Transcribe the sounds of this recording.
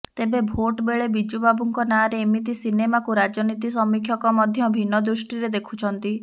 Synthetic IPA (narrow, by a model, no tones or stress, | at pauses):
t̪ebebʱoʈbeɭebid͡ʒubabuŋkɔnaɾeːmit̪̬isinemakuɾad͡ʒɔnit̪is̬ɔmikʰjɔkɔmɔd̪ʱjɔbʱinːɔd̪ɾusʈiɾed̪ekʰu̥t͡ʃʰɔnt̪i